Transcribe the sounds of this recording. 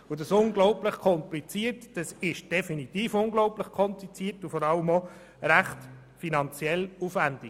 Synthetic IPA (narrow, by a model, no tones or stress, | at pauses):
ʊdɑsʊŋɡlɔʊpləχkʰɔmplit͡siːəɾtd̥ɑsɪʃd̥ɛfinit̪iːfʊŋɡlɔʊpləχkʰɔmplit͡siːəɾtufɔɾɑləmɔ | ɾæχt | finɑnt͡sjɛlufʋænd̥ik